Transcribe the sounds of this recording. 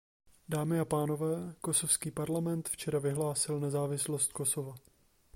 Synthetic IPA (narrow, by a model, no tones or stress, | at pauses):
daːmɪapaːno̞vɛːko̞so̞fskiːpaɾlamɛnt̪ft͡ʃɛɾavɪɦlaːsɪlnɛzaːvɪslo̞st̪ko̞sova